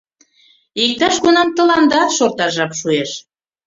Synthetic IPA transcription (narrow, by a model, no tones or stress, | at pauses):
ik̚t̪ɑʃɣunɑmt̪ə̆lɑnd̪ɑt̪ʃort̪ɑʒɑpʃueʃ